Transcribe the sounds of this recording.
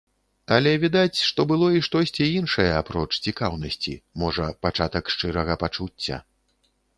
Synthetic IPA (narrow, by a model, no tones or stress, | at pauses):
alʲɛvʲid̪at͡sʲʂt̪ɔbɨlˠɔiʂt̪ɔsʲt͡sʲiinʂɐjɐapɾɔt͡ʂt͡sʲikawnɐsʲt͡sʲḭmɔʐɐpat͡ʂat̪ɐkʂt͡ʂɨɾɐɣɐpat͡ʂut͡sʲːɐ̰